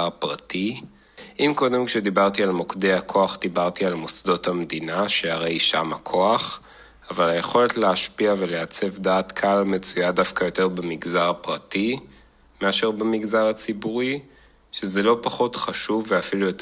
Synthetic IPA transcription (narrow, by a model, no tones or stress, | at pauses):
apʁati | imko̞d̪e̞mkʃed̪ibaʁtialmokdeakʰo̞aχd̪ibaʁtialmosdo̞thamd̪inaʃehaʁe̞jʃamakʰoaχ | avalajeχo̞le̞tleaʃpiaveleat͡se̞vdaːt̪kʰalme̞t͡sujadafkajo̞te̞ʁbemiɡzaʁapʁati | me̞aʃe̞ʁbemiɡzaʁat͡sibuʁi | ʃezelo̞paχo̞tχaʃuvːeafilujot